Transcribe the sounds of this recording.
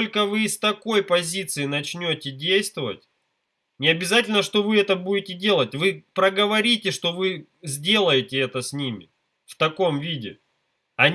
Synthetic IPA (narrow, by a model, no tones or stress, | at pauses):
olʲkəvɨst̪ɐko̞jpɐzʲit̪sɨɪnɐt͡ɕnʲotʲɪdʲejst̪vəvə̰tʲ | nʲɪɐbʲɪzatʲɪlʲnəʂt̪o̞vɨɛt̪əbudʲɪtʲɪdʲe̞lˠətʲvɨpɾəɡəvɐɾʲitʲɪʂt̪o̞vɨ | zʲdʲe̞lˠəjɪtʲɪɛt̪əsʲnʲimʲɪ̰ | ft̪ɐko̞mvʲidʲɪ | ɐnʲ